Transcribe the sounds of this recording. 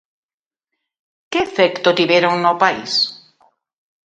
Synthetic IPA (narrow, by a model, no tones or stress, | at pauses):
keefɛkt̪ot̪iβeɾoŋnopaḭs